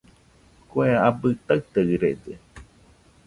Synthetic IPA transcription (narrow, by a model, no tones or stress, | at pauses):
kweaabɨt̪aɨt̪eɨɾede